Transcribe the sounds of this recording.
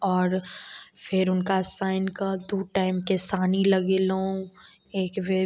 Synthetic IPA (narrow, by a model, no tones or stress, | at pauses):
ɔːɾfɪɾʊnkasaːɪnkad̪oːʈaːɪmkesaːnilɐɡeːlõ | eːkʋeː